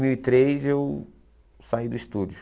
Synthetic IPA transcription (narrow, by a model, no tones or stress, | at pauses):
miwit̪ɾezew | said̪ʊist̪ud͡ʒʊ